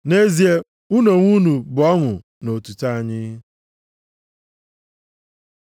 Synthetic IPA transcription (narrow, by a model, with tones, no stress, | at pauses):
ne˦zi˨e˦ | u˦no˨ŋʷu˦nu˨bʊ˨ɔ˦ŋʊ˨ | no˨tu˨ta˦a˨ɲɪ˦